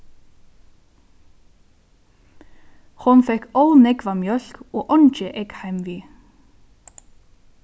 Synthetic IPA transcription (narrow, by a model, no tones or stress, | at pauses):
hʊnfɛkolnɛkʋamjœl̥koːʔɔnt͡ʃəʔɛkhæɪmʋiː